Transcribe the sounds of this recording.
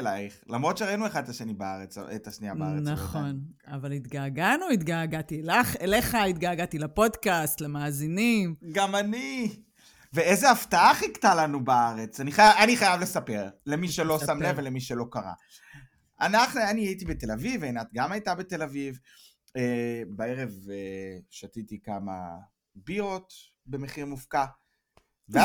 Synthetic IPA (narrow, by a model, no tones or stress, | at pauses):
laiχlamʁo̞tʃeʁainueχad̪tlaʃenibaa̰ʁet͡setaʃnia̰banaχo̞navalit̪ɡaːɡanuit̪ɡaːɡatilaχeleχait̪ɡaːɡat̪ilapo̞dkastlemaːzinimɡamani | veezeaft̪aaχiktalanubaaʁet͡saniχajaaniχajavle̞sape̞ʁlemiʃelo̞samlevelemiʃelo̞kaʁa̰ | ʔanaχnuaniait̬ibet̪e̞lavivenat̪ɡamajtabete̞laviv | ebae̞ʁe̞veʃatit̪ikama̰ | bio̞t̪ | be̞meχiʁmufka | vea